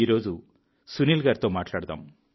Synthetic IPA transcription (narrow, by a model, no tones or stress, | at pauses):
iːɾo̞ːd͡ʒu | suniːlɡaːɾt̪o̞ːmaːʈlaːɽud̪a̰ːm